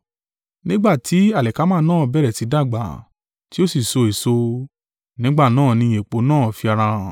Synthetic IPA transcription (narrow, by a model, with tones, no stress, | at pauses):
nĩ˦ɡ͡ba˦˨ti˨˦a˦˨lɛ˨ka˨˦mãː˦˧nãː˦˨bɛ˦ɾɛ˨ti˨˦da˦˨ɡ͡ba̰˨ | ti˦o˦si˦˨so˧e˨so˧ | nĩ˦ɡ͡ba˦˨nãː˦˨nĩ˧je˨k͡po˨˦nãː˦˨fi˧a˧ɾã˧˨